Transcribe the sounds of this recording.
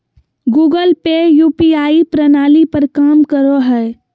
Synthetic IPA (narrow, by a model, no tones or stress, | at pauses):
ɡuːɡəlpejuːpiaːipɾənaːlipəɾkaːmkəɾoɦɛ